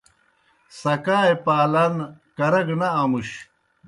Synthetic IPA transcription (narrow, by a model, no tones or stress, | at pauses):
sɐkaːjpaːlankɐɾɐɡnɐːmuɕ